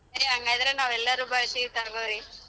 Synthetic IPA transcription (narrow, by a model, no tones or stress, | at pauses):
ɐɾiaŋɡaːjid̪ɐɾenaːʋɛlːɐɾuːbaːɭsit̪ɐɾɡoːɾi